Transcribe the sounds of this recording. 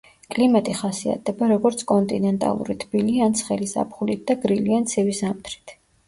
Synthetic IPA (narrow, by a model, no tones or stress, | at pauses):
kʼlimat̪ʼiχasia̰t̪̚ʰdɛbaɾɔɡɔɾt̪sʰkʼɔnt̪ʼinɛnt̪ʼa̰lˠṵɾit̪ʰb̥iliant̪sʰχɛlisa̰pʰχulit̪̚d̪̥aɡɾiliant̪sʰɛvisamt̪ʰɾi̥t̪ʰ